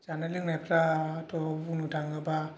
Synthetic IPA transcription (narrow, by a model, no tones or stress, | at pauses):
zanalɯŋnajpʰɾaːtɔunudʰʱaŋaba